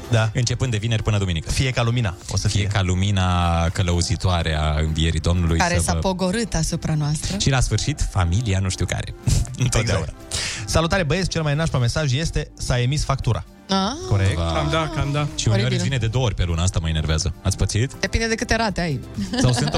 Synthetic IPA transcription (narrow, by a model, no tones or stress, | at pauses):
d̪aɨnt͡ʃe̞pɨnd̪evine̞rʲpɨnəd̪uminikəfije̞kalumina̰o̞̰səfijeekaluminakələuzit̪oaɾea̰ɨɱvie̞ɾḭd̪o̞mnulujkaɾesapo̞ɡo̞ɾɨt̪asupɾanoast̪ɾəʃilasfɨrʃit̪familianuʃt̪iwka̰ɾe̞̰ɨnt̪ot̪aṵnasalut̪aɾebəest͡ʃe̞lmajnaʃpome̞saʒje̞st̪e̞sae̞misfak̚t̪uɾʔa̰ | akoɾeaamd̪akamd̪aʃiuoɾivined̪ed̪ooorʲpe̞lunəast̪aməeneɾveazəat̪sʲpət̪siit̪d̪̥e̞pind̪e̞d̪e̞kɨt̪e̞ɾat̪eajsawsɨnt̪